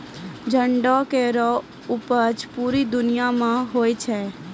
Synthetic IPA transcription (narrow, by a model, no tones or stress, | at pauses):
d͡ʒəɳɖɔkeɾɔ | ʊpət͡ʃpuːɾid̪ʊnɪjamãɦoːit͡ʃʰɛː